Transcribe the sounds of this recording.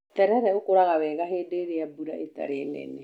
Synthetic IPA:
tɛɾɛɾɛokoɾaɣawɛɣaɦeːdeɾeabuɾaʔeta̰ɾenḛne

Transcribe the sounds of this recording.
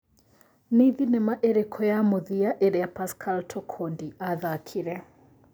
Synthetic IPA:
niðinɛmaʔeɾekʰɔjamoðiaʔeɾɛjapaskʰaltʰɔkʰondiʔaðakʰiɾɛ

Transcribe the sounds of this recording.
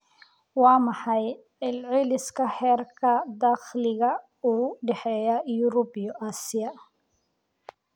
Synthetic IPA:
wɑːmɑħɑj | ɛlʕɪlɪskʰɐħɛːrkʰɐd̪ɑːχlɪɣɐ | uːɖɛħɛːjajʊɾɔbjɔʔaːsɪjɐ

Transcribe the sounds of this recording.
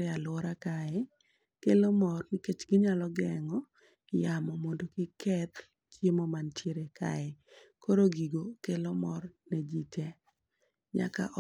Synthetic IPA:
ealoɾakaɛ | kelomɔrnɪket͡ʃɡɪɲalɔɡɛŋɔ | jamɔmondokɪkʰɛt̪ | kjemɔmantjeɾekʰa̰ɛkoɾoɡiɡokelomɔrned͡ʒitʰe | ɲa̰ka̰ʔɔ

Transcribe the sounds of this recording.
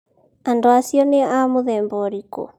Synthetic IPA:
andoasjɔneamoðɛːmbɔɾiko̰

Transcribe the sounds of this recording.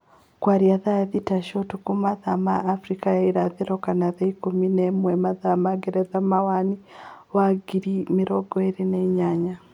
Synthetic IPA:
kwaɾiaðaaðitaʃɔtukumaðamaːfɾikajaiɾaðeɾɔkanaðaikominɛmwɛmaðamaɡɛɾɛðamawaniwaɡiɾimiɾɔɡɔeɾineiɲaɲa

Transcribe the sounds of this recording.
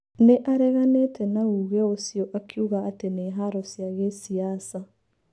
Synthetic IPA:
neʔaɾɛɣanetʰɛnauɣɛosiɔʔakʰjuɣaːteneːɦaɾɔsjaɣesiasa

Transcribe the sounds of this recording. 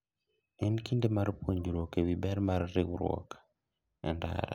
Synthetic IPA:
enkindemaɾipoɲɟuɾokeβibeɾimaɾiɾeɣuɾwo̰kḁ | enda̰ɾa̰

